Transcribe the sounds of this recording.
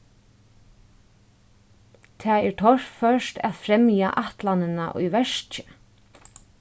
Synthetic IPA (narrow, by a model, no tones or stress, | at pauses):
t̪ʰaːɛɹt̪ʰɔɹpfœʃt̪æ̰ðfɾɛmja̰ʔaht̪lanɪna̰ʔʊ̰jʋɛʂcə̥